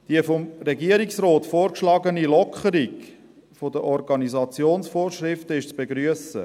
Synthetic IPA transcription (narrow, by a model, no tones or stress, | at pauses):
d̥iəfomɾɛɡiəɾiksrɔːtfoːɾkʃlɑɡənilɔkχəɾik | fod̪əʔɔɾɡɑnizɑt͡sjoːnsfoːɾʃɾɪftəɪʃt͡sb̥eɡɾyəsə